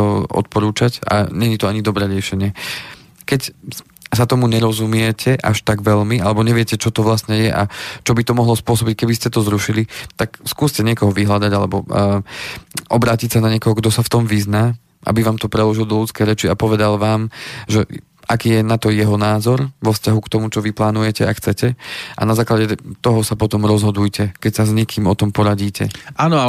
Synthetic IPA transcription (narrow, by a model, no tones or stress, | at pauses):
ɔʔɔ̰t̪̚pɔɾuːt͡ʃaca̰ɲɛɲit̪ɔaɲid̪ɔbɾɛːɾɪɛʃɛɲɪɛ | kɛc | sat̪ɔmuɲɛɾɔzumɪɛcʰɛʔa̰ʃt̪aɡʋɛʎmiʔalɛbɔɲɛʋɪɛcɛt͡ʃɔt̪ɔʋlast̪ɲɛjɛʔat͡ʃɔbit̪ɔmɔɦlɔspʊɔsɔbickɛbiscɛt̪ɔzɾuʃilit̪akskuːscɛɲɪɛkɔɦɔʋiɦlad̪aɟalɛbɔ | ʔɔbɾaːcicsanaɲɪɛkɔɦɔɡd̪ɔsaft̪ɔmʋiznaː | ʔa̰biʋaːmt̪ɔpɾɛlɔʒild̪ɔlut͡skɛjɾɛt͡ʃiapɔʋɛd̪alʋaːmʒɛ | ʔakiːjɛnat̪ɔjɛɦɔnaːzɔɾʋɔfscaɦukt̪ɔmut͡ʃɔʋiplaːnujɛcɛaxt͡sɛcɛʔa̰nazaːklaɟɛt̪ɔɦɔsapɔt̪ɔmɾɔzɦɔd̪ujcɛkɛcsazɲɛkʰiːmɔt̪ɔmpɔɾaɟiːcɛaːnɔ